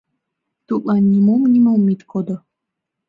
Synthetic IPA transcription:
t̪uʔlanːʲimomnʲimomit̪kʰod̪o

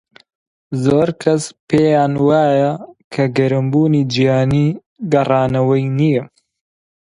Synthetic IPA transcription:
zoːɾkʰɐspeːjaːnwaːjɐkʰɐɡɐɾɨmbuːniːd͡ʒijaːniː | ɡɐrɑːnɐwɐjnijɛ

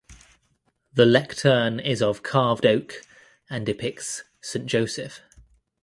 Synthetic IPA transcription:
ðəlɛktʰɜːnɪzəv̥kʰɑːvdəʊk | ə̃ndɪpʰɪk̚s | sẽɪ̃nd̥ʒ̥əʊsɪf

